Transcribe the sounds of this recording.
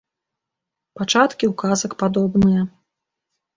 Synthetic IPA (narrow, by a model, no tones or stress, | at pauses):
pat͡ʂat̪kʲiwkazɐkpad̪ɔbnɨjɐ